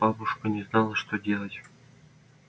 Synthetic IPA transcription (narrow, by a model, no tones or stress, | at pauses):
b̥ɑbuʂkənʲeznɑlˠəʂt̪odʲelˠətʲ